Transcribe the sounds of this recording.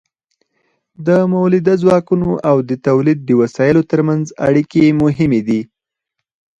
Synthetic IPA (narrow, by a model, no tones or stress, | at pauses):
d̪əmawlɪd̪azwɑkunoʔawd̪ət̪awlid̪̚ːəwasɑjəlot̪əɾmanza̰ɽikemʊɦɪmed̪i